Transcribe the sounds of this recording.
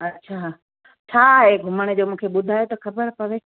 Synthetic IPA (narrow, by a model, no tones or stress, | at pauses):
ɐtːɕʰa | t͡ɕʰaːɦeːɡʱʊməɽ̃ed͡ʑoːmũːkʰeɓʊd̪ʱaːjot̪ɐxɐbəɾpɐʋe